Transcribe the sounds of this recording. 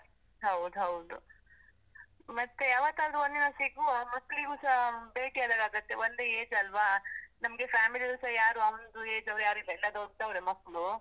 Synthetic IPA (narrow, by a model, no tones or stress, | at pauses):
ɦɐwd̪uɦɐwd̪u | mɐt̪ːejaːʋɐt̪ːaːd̪ɾuond̪inɐsiɡumɐkːɭiɡusɐbeːʈiad̪aɡaːɡut̪ːeond̪eeːd͡ʒɐlʋanɐmɐɡe̞fʰaːmiliusɐjaːɾuɐʋɐnd̪ueːd͡ʒɐʋɾujaːɾuilːɐɛlːɐd̪oɖ̚t̪ɐʋɾemɐkːɭu